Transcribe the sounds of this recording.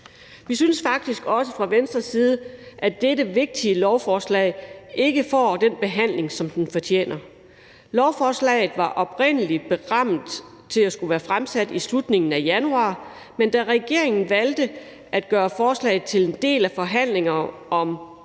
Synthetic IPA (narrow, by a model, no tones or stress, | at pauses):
ʋisynəsfɑ̈ɡ̥̚d̥isɡ̥ɒ̽səfʁɑ̈ʋensd̥ʁɐsiːð̞ˠəʔæd̥eɾəʋe̝ɡ̥̚d̥iəlɒʊfɒːslɛ̰ɪe̝ɡ̥əfɒ̰ːd̥enb̥e̝ɦæn̰le̝ŋsɒ̽md̥enfɒ̽t͡ɕʰḛːnɐ | lɒʊfɒːslɛ̰ːɪð̩ˠʋɑ̈ʔɒ̽b̥ʁen̰əlid̥̚b̥e̝ʁɑm̰d̥ | t͡sʰe̝læsɡ̥uʋæːɐfʁamsæd̥islud̥ne̝ŋn̩æjænuɑ̰̈ː | mend̥æʁɛɡ̥e̝ɐ̰e̝ŋn̩ʋæld̥ə | ʔæd̥̚ɡ̥ɶːɐfɒːslɛ̰ɪð̩ˠt͡sʰe̝le̝nd̥e̝̰ːlæfɒ̽ɦæn̰le̝ŋɐ | ʔɒ̽m